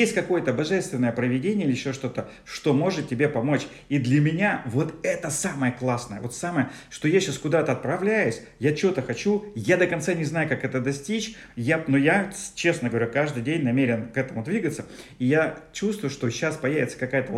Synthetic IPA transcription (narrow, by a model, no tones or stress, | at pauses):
jesʲt̚ʲkɐko̞jət̪əbɐʐɛst̪vʲɪnːəjəpɾəvʲɪdʲenʲɪəilɪɪɕːo̞ʂt̪o̞t̪ə | ʂt̪o̞mo̞ʐɨt̪̚tʲɪbʲepɐmo̞t͡ɕ | id̪lʲɐmʲɪnʲavo̞t̪ɛt̪əsaməjəklˠasnəjə̰vo̞t̪saməjəʂt̪o̞jaɕːaskʊd̪at̪əɐt̪̚pɾɐvlʲæjʊsʲ | jat͡ɕɪvot̪əxɐt͡ɕujad̪əkɐnt̪sanʲɪznajʊkakɛt̪əd̪ɐsʲtʲit͡ɕ | janojat͡ɕe̞snəɡəvɐɾʲukaʐd̪ɨjdʲenʲnɐmʲeɾʲɪnkɛt̪əmʊd̪vʲiɡət̪səijat͡ɕust̪vʊjʊʂt̪o̞ɕːaspɐjævʲɪt̪sə̥kɐkajət̪ə